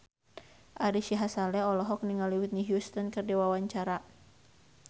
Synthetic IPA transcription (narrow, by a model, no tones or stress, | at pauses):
ʔaɾiʃiɦasalɛɔlɔɦɔk̚niŋaliwut̪̚niɦjust̪ənkərdiwawaɲt͡ʃaɾa